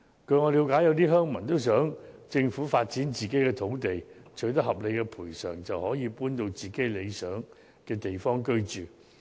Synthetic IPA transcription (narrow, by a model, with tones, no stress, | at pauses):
kʰɵ˧ɥŋɔ˨˧liː˨˧wkaː˨˥jɐ˨˧wt̪iː˥ɦœː˥ŋmɐ˨˩nt̪o˥ws̬œː˨˥ŋt͡sɪ˧ŋfuː˨˥faː˧t̚t͡siː˨˥nt͡siː˨ke˨˥jkɛː˧t̪ʰo˨˥wt̪e˨˩jt͡ʃʰɵ˨˥t̪̬ɐ˥hɐ˨p̚le˨˧jkɛː˧pʰuː˨˩jsœː˨˩ŋt͡sɐ˨whɔː˨˥jiː˨˧puː˥nt̪o˧wt͡siː˨˩ke˨˥jle˨˧jsœː˨˥ŋ | kɛː˧t̪e˨˩jfɔː˥ŋkɵ˥ɥt͡ʃyː˨˩